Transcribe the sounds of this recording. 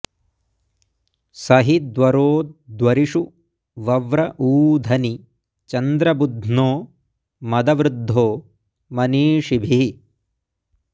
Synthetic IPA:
sɐɦid̪ʋɐɾoːd̪ʋɐɾiʂu | ʋɐʋɾɐʔuːd̪ʱɐni | t͡ʃɐnd̪ɾɐbud̪ʱnoː | mɐd̪ɐʋɾɪd̪ʱːoː | mɐniːʂibʱi

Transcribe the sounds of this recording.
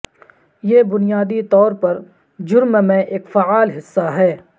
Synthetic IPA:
jeːbʊnijaːd̪it̪ɔːɾpɐɾ | d͡ʒʊɾmmẽʔeːkfaaːlɦɪsːaɦɛː

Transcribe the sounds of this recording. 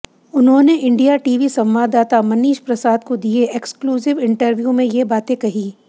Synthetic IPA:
ʊnɦõːneʔɪ̃ɳɖijaʈiːʋisɐ̃mʋaːd̪aːt̪amɐniːʃpɾɐsaːd̪̚kod̪ieekskluːzɪʋɪ̃ɳʈəɾʋjumẽjebaːt̪ẽkɐɦiː

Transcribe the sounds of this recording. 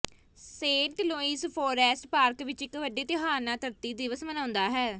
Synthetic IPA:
seːɳʈloːiːspʰoːɾɛːsʈpaːɾkʋɪt͡ʃɪkʋəɖeːt̪ɪɦaːnaːt̪əɾt̪iːd̪ɪʋəsmənãːʊnd̪aːɦɛː

